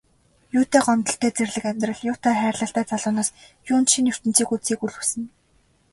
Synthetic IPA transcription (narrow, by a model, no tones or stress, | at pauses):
juːt̪eːɢɔmt̪ɞ̆ɬt̪ʰeːt͡serɮɘ̆kæmʲt̪rə̆ɮjʊːt̪æːχæːrɮə̆ɬt̪æːt͡saɮʊːnaːs | jʊːnt̪ʃiner̥t̪ɘ̆n̥t͡siːkut͡siːkuɮusɘ̆n